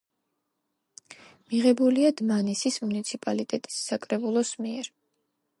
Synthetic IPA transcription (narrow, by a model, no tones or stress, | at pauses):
miʁɛbuliad̪manisismunit̪sʰipʼalit̪ʼɛt̪ʼi̥sːakʼɾɛbulˠɔsmiɛɾ